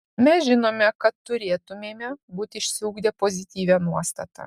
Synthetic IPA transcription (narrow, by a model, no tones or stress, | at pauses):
mʲɛsʒʲɪnoːmʲɛkɐt̪ːʊɾʲeːt̪ʊmʲeːmʲɛbuːt̪ʲɪʃʲsʲɪuːɡd̪ʲɛpoːzʲɪt̪ʲiːʋʲænuɔst̪ɐ̰t̪ɐ̰